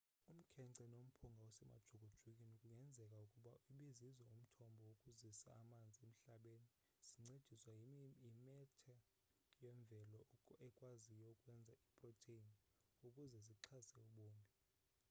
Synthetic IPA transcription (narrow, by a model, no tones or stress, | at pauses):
um̩kʰɛǀɛnom̩pʰuŋɡʱawɔsɛma̰d̥ʒ̥ʱoɡ̥ʱod̥ʒ̥ʱukʼinukʼuŋɛnd͡zʱɛkʼaukʼuɓaʔuɓizizɔum̩tʰɔmbʱɔwokʼuzisa̰ːmand͡zʱiem̩ɬaɓeni | z̥iŋ͡ǀed̥ʒ̥ʱiswajimɛtʰɛ | jɛɱb̪vʱɛlɔɛkʼwazijɔukʼwɛnd͡zʱaipʼrɔtʰen | ukʼuzɛziǀʰasɛuɓoːmbʱi